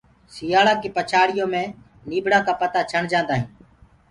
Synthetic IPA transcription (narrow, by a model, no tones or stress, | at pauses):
sɪjaːɭaːkiːpət͡ʃʰaːɽɪjõːmẽː | niːbɽaːkaːpət̪aːt͡ʃʰəɳd͡ʒãːnd̪aːɦĩː